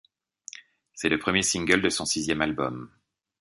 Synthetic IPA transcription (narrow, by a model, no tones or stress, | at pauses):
sɛləpχəmjesĩŋɡʲœld̪əsɔ̃sizjɛmalbɔm